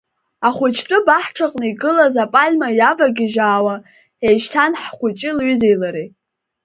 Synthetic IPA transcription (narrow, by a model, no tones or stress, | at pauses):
aχʷʊt͡ʃʰtʷʼʊbaħʈ͡ʂʰaqʼnɨiɡɨlazapʼalʲmajavaɡʲɪʒaːwa | ejʃtʰanħχʷʊt͡ʃʼɪlɥʏzejlaɾe